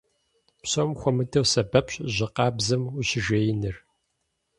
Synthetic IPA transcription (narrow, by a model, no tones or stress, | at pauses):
pɕɐmxʷɔmɨdʰɐwsɐbɐpɕʼʑɪqɑːbzɨmʊɕɪʒejɪnɨr